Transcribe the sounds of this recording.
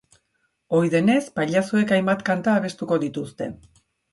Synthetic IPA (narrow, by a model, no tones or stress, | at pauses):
o̞jðe̞ne̞spaʎaso̞e̞kajmbat̪kant̪aːβe̞st̪uko̞ðit̪ust̪e̞̰